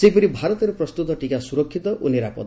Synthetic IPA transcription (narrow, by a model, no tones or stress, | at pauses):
sejpɔɾibʱaɾɔt̪ɔɾupɾrɔst̪ut̪ɔʈikasuɾɔkʰːit̪ɔʔṵneɾapɔ̰t̪